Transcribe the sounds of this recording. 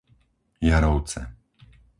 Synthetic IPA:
jaɾɔʊt͡sɛ̰

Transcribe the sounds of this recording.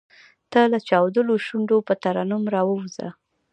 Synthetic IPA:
t̪alat͡ʃɑwd̪əloʃuɳɖopət̪aɾɑnʊmɾɑwəwza̰

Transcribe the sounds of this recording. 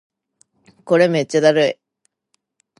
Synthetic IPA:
koɾemet͡ɕːad̪aɾɯj

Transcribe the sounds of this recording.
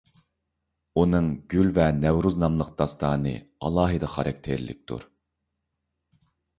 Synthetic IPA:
unɨŋɡʲylvɛnɛwɾuznɑmlˠəq̚d̪̥ɑst̪ɑːnɨ̰ɑ̰lˠɑːɦɨd̪ɑχɑɾɑk̚ʲt̪ʰeɾlɪ̰k̚ʲt̪ʰṵɾ

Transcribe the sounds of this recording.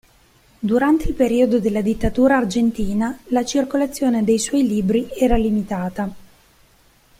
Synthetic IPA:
d̪uɾant̪eilpeɾiːod̪od̪elːad̪it̪ːat̪uːɾaːrd͡ʒent̪iːnalat͡ʃirkolat̪sːjoːned̪ejswɔjliːbɾiɛːɾalimit̪aːt̪a

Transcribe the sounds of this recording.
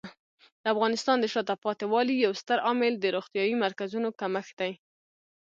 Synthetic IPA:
d̪əafɣɑnɪst̪ɑnd̪əʃɑt̪apɑt̪ɪwɑlijawst̪əɾɑmɪld̪əɾoɣt̪jɑjimaɾkazunokaməxd̪̥aj

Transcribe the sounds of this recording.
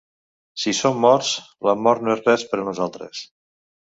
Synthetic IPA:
sisomːɔɾs | ləmɔɾt̪noezrɛspəɾənuzalˠt̪ɾə̰s

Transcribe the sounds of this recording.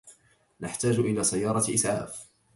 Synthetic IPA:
naħt̪aːd͡ʒʔɪlaːsajːɑːɾˤɑʔɪ̰sʕa̰ːf

